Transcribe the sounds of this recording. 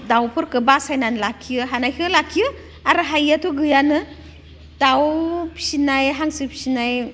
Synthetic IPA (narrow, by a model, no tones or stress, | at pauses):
dawpʰɯɾkɯbasajnanlakʰːiɯɦanajkʰɯlakʰːijɯ | aɾɯɦajːatʰɔɡɯjanɯ | d̥awpʰsinajɦaŋsɯpʰi̥sinaj